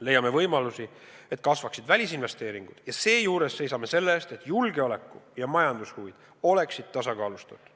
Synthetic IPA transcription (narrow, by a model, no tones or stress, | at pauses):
le̞jːɑme̞vɤjmɑlusi | e̞t̪̚ːˑkɑsvɑksid̪vælʲisinve̞st̪e̞ːɾiŋɡ̥ud̪̥jɑse̞ːjuːɾe̞sːe̞jsɑme̞se̞lːeest̪e̞t̪ːˑjulɡe̞ole̞kːˑujɑmɑjɑnd̪̥ushuvid̪̥ | o̞le̞ksid̪̥̚t̪ɑsɑkɑːlust̪ud̪̥